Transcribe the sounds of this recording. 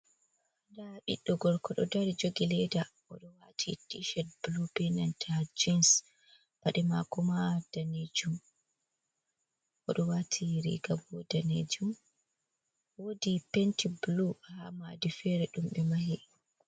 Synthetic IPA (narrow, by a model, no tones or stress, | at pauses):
adaɗḭɗːɔɡɔɾkɔɗɔdaɾid͡ʒoɡilɛda | ɔ̰ɗɔwatʰitiʃɛt̚blubɛnantʰad͡ʒins | b̥aɗɛmakɔmad̥aned͡ʒum | ʔɔɗɔwatʰiɾḭɡabɔdanḛd͡ʒum | wodipɛntibluhamadifɛɾɛɗumɓɛmaɦɛ